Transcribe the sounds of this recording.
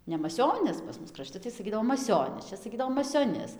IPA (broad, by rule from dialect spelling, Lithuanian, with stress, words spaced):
nʲɛ mɐˈsʲoːnʲɪs pɐs ˈmʊs krɐˈʃʲtʲɪ tɐɪ sɐˈkʲiːdɐʋoː mɐˈsʲoːnʲɪs ˈt͡ʃʲɛ sɐˈkʲiːdɐʋoː mɐsʲoːˈnʲɪs